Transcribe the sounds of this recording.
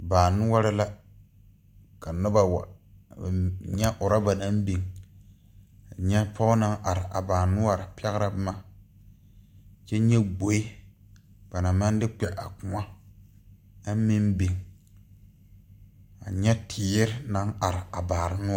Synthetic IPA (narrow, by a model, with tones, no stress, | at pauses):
baː˨nʊ˦wa˦ɾɪ˦la˦ | ka˨nʊ˦ba˦wa̰˨ | ɲɛ˦ʔʊ˨ɾa˦ba˨na˦mbi˨ŋ˨ | ɲɛ˦pʰɔ˦ʊ˦na˦ŋʔa˨ɾɪ˨ʔa̰˨baː˨nʊ˦wa˨ɾɪ˨pɛ˦ɣɾa˦bma˦ | t͡ʃɛ˦ɲɛ˦ɡ͡bo˨˦i˦ | b̥a˨na˨ma˦n˦dɪ˦k͡pɛ˨ʔa˨ku˨˦a˦ | a˦mi˦nbi˨ŋ | a˨ɲɛ˦tʰɪː˨˦jɪ˦ɾɪ˦na˦ŋa˨ɾɪ˨a˨baː˨ɾɪ˦nʊ˦